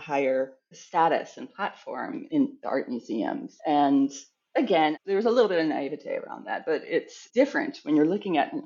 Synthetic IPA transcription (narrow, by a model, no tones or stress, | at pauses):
haɪə˞ | stæɾɨ̰sɨ̃n̩pʰl̥ætfɔ̰ɹmɪ̃nðiɑ̰ɹt̚mjʉziɨ̰̃mz̥ɨ̃n | ɨɡɛ̃nðə˞wʌzəlɪɾl̩ˠbɪɾʌvnaɪɪvɨtʰeɪə̰ɹa̰ʊ̃nðæ̰t̚b̥ʌɾɪtsd̥ɪfɹɨ̰̃nt̚wɨ̃njə˞lʊkɪ̃ŋɨ̰t